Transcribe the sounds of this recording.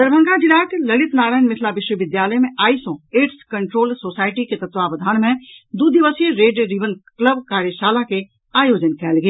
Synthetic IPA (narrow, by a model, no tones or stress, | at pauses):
d̪əɾbʱə̃ŋɡãd͡ʒɪlaːʈlɐɽɪt̪naːɾaːjnmɪt̪ʰlaʋɪʃwəʋɪd̪jaːləmẽʔaːisõeːʈskɐ̃ɳʈɾoːlsoːsaːɪʈiket̪ɐt̪ʋaːʋɐd̪ʱaːnmẽd̪uːd̪ʱiʋəsijəɾeːɖɾiʋənkləbkaːɾjəʃaːlake | aːjoːd͡ʒənkɛːlɡeː